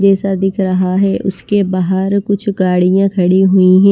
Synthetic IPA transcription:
d͡ʒɛːsad̪ɪkʰɾɐɦaɦɛːʔʊskebaːɦəɾkʊt͡ʃʰɡaːɽijãkʰɐɽiɦʊiɦɛ̃

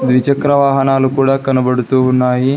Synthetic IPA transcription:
d̪ʋit͡ɕəkɾəʋaːɦənalukuɽakɐnbəɽ̤t̪unaːɦi

